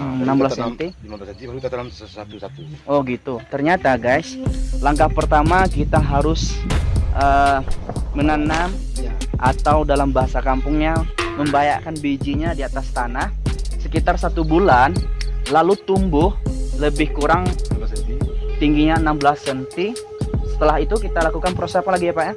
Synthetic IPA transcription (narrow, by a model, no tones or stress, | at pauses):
ənambəlasənt̪i | at̪ut̪uɔɡit̪ut̪ərɲat̪aɡajslaŋkahpərt̪amakit̪aɦaɾʊsʔə | mənanamʔat̪awdalambaɦasakampʊŋɲaməmbajakanbid͡ʒiɲadiat̪ast̪anahsəkit̪arsat̪ubulanlalut̪umbʊhləbɪhkuɾaŋ | t̪iŋɡiɲaənambəlasənt̪i | sə̥t̪əlaɦit̪ukit̪alakukanpɾosɛpalaɡiapaa